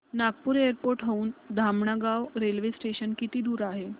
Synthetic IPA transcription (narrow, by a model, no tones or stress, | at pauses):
nak̚puːɾeəɾpoɾʈɦəuːnd̪ʱamɳaɡaʋɾelʋesʈeɕənkit̪iːd̪uːɾaɦe